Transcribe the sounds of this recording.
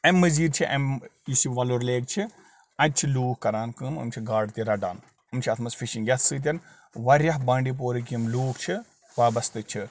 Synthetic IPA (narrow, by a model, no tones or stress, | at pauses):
ɐmːɐziːɾt͡ʃʰiʔɐ̰misiʋɐloɾleːk̚t͡ʃʰi | ɐt̚t͡ʃʰiluːkkːɐɾaːnkɨmɐ̰mt͡ʃʰiɡaːɖt̪iɾɐɖa̰ːn | ɨmt͡ʃʰiɐt̪ʰmɐsfʰiʃĩŋɡjɐt̪ʰsɨːt̪̬ʲɐn | ʋɐɾʲjɐɦbaːɳɖip̬oːɾik̬imluːkt͡ʃʰi | ʋaːbɐst̪ɨt͡ʃʰi